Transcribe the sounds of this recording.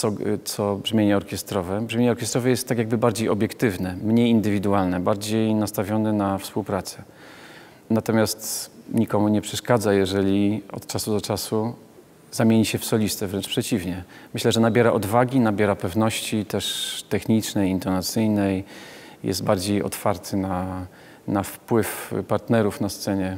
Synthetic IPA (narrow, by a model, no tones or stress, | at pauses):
t̪sɔt̪sɔbʐmʲjeɲɛɔɾkʲɛst̪ɾɔvɛbʐmʲeɲɛɔɾkʲɛst̪ɾɔvɛjɛst̪ːakjaɡ̚bɘbaɾd͡ʑejɔbʲjɛkt̪ɘvnɛmɲejind̪ɘvʲid̪ualnɛbaɾd͡ʑejnast̪avʲjɔnɛnafspuwpɾat̪sɛ̥ | nat̪ɔmʲjast̪ɲikɔmuɲɛpʂɛʂkad̪zajɛʐɛlʲiɔ̰t̪t͡ʂasud̪ɔt͡ʂasu | zamʲjeɲiɕɛfsɔlʲist̪ɛvɾɛnt͡ʂpʂɛt͡ɕivɲɛmɘɕlɛʐɛnabʲjɛɾaʔɔd̪vaɡʲinabʲjɛɾapɛvnɔɕt͡ɕit̪ɛʂt̪ɛxɲit͡ʂnɛjint̪ɔnat̪sɘjnɛj | jɛ̰st̪baɾd͡ʑejɔ̰t̪faɾt̪ʰɘna | nafpwɘfpaɾt̪nɛɾufnast̪sɛɲɛ